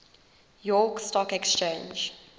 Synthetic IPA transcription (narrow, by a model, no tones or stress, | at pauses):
jɔkstɔkɛkst͡ʃẽnd͡ʒ